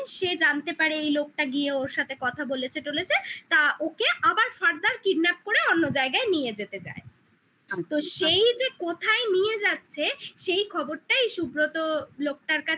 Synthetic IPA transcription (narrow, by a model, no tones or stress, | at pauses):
ʃed͡ʑant̪epaɾeejlok̚ʈaɡieoɾʃat̪ʰekɔt̪ʰabolet͡ɕʰeʈolet͡ɕʰet̪aʔokeʔabaɾfaɾd̪aɾkiɖnap̚koɾeonːod͡ʑaeɡaenijed͡ʑet̪et͡ɕa̰e | t̪oʃejd͡ʑekot̪ʰaenijed͡ʑatːɕʰeʃejkʰɔboɾʈaejʃubɾot̪olok̚ʈaɾka